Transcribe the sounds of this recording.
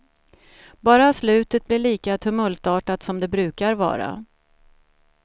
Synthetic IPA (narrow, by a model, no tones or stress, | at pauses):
bɑːɾaslʉ̟ːt̪ət̪̚blɪɭiːkat̪ʰɵmɵlt̪ɑːʈat̪sɔmd̪ɛbɾʉ̟ːkaɾvɑ̰ːɾa̰